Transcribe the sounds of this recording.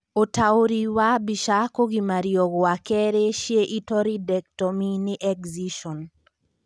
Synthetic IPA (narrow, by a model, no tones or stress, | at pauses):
otaoɾiwabiʃakoɡimaɾijɔɡɔwakɛɾeʃjeʔitɔɾidɛk̚tɔminɪʔɛkziʃɔn